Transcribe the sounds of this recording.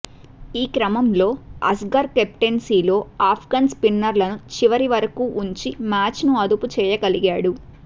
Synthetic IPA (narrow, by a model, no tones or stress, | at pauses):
iːkɾɐmɐmlo̞ːɐ̰sɡɐɾkep̚ʈensiːlo̞ːaːpʰɡanspinːɐɾlɐnut͡ʃiʋɐɾiʋɐɾɐkuːʔuɲt͡ʃimaːt͡ʃnuɐd̪uput͡ʃɛːjɐkɐliɡaːɽu